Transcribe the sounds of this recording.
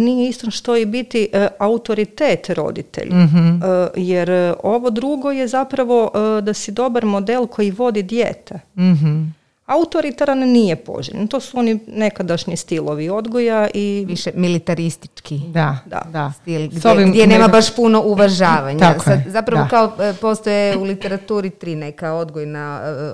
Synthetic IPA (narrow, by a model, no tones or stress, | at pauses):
nijeist̪onʃt̪o̞jibit̪iʔaut̪o̞ɾit̪eːt̪ɾo̞̰d̪ḭt̪ḛʎʲɦjeɾo̞ʋo̞d̪ɾuɡojezapɾaʋo̞ʔd̪asid̪o̞baɾmo̞d̪elˠkʰo̞jiʋo̞d̪id̪jḛːt̪eɦ | aut̪o̞ɾit̪aɾannijepo̰ʒḭʎ̰nt̪o̞suo̞nine̞kad̪aʃɲist̪ilˠo̞ʋio̞d̪ɡojaʔiʋiʃemilit̪aɾist̪i̥t͡ʃkid̪ad̪a̰d̪ast̪ilˠɡsoʋiɡdmjenemabaʃpuno̞ʔuʋaʒaːʋaɲaaosazapɾaʋoakaopo̞st̪ojeulit̪eɾat̪uːɾit̪ɾinekao̞d̪ɡojna